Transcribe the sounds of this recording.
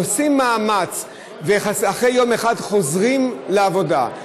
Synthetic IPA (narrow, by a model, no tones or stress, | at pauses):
osimːaːmat͡s | veχasaχʁejo̞meχadχo̞zʁimleavo̞da̰